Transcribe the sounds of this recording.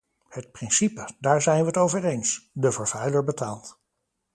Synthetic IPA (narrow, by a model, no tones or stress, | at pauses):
hət̚prɪnsipədaːɹzɛjnʋəətowvərejnsdəvəɹvɛjləɹbətaːlˠt